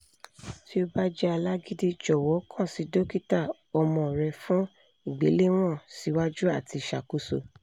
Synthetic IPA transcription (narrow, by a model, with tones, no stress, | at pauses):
ti˦o˦ba˦d͡ʒɛ˦a˧la˦ɡi˦di˦d͡ʒɔ˨wɔ˨˦kʰã˦˨si˨˦do˦ki˦ta˦˨ | ɔ˧mɔ̃˨ɾɛ˧fũ˦ | i˨ɡ͡be˨˦le˦w̃ɔ̃˦˨si˨˦wa˦d͡ʒu˦a˦˨ti˧˨ʃa˨ku˦so̰˧